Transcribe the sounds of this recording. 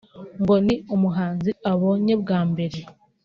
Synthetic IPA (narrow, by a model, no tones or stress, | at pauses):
ŋɡo̞niomuɦaːnziaβoːɲebɡaːmbe̞ɾe̞